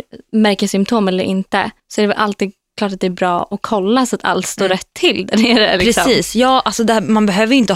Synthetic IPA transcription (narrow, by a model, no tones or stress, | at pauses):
mæɾkəsʏmt̪ʰoːmɛlːəɾʔɪnt̪ə̰sɔɛɾɛvɛlʔalt̪iːd̪̚ | kʰlɑːʈat̪d̪ɛæːɾbɾɑːʔɔkʰːɔlːasat̪ʰa̰lt̪st̪oːɾɛt̪ʰːɪld̪æneːɾə̰lɪkɾɛsɔsiːsjɑːʔalsɔd̪ɛmanbɛɦøːvəɾjɪnt̪ə